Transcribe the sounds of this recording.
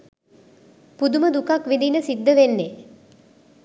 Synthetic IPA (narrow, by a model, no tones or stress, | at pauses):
pud̪uməd̪ukakʋind̪inəsid̪ːəʋenːe